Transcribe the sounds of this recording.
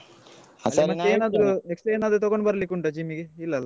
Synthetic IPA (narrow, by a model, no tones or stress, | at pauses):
lemɐeeːnaːd̪ɾueksʈɾɐeːnaːd̪ɾut̪ɔɡoɳbɐɾɐlikːuɳʈad͡ʒimiɡeilːɐlːa